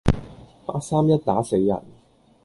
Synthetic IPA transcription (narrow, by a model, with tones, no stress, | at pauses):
paː˧˥t̚saː˥mjɐ˥t̚t̪aː˨˥se˨˧jːɐ̰˨˩n